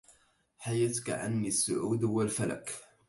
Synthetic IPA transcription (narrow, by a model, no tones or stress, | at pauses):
ħajat̪ka̰ʔa̰nːisːʊʕuːd̪hʊwalfala̰k